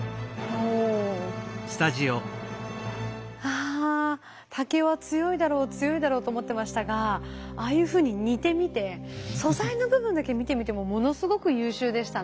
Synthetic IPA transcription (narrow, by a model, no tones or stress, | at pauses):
oː | sɨ̥t̪aʑio | aː | t̪ʰake̞βat͡sɨjo̞id̪aɾo̞ːt͡sɨjo̞id̪aɾo̞ːt̪o̞ːmo̞t̪ːemaɕi̥t̪aɡaaːjɯ̟ːɸɯ̟ːɲ̟iɲ̟it̪e̞mʲit̪e̞so̞zaino̞bɯ̟bɯ̟nd̪ake̞mʲit̪e̞mʲit̪e̞mo̞mo̞no̞sɨɡo̞kɯ̟jɯːɕɨːd̪e̞ɕi̥t̪a